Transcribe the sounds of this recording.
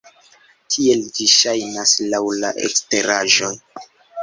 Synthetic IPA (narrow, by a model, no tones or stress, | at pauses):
tʰie̞ld͡ʒiʃajnaslawla̰ʔḛkste̞ɾaʒo̞n